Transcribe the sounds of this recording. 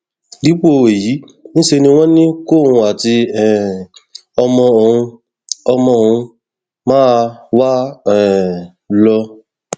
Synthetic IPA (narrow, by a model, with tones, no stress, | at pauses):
di˨˦k͡po˦˨we˨ji˨˦ | nĩ˦ʃe˧nĩ˧w̃ɔ̃˦nĩ˦ko˦˨hũ˧a˨ti˧ɛ˨ | ɔ˧mɔ̃˧o˨ũ˧ | ɔ˧mɔ̃˧o˨ũ˧ | mãː˦wa˦ɛ˨ | lɔ˧